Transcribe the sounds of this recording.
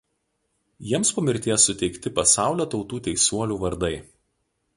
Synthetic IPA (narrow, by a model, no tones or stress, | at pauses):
jiɛmspɐmʲɪɾʲt̪ʲeːjɛsʊt̪ʲɛɪkt̪ʲɪpɐsɑˑʊlʲoːt̪ɒʊt̪uːt̪ʲɛɪsuɔlʲuːʋɐɾd̪ɐɪ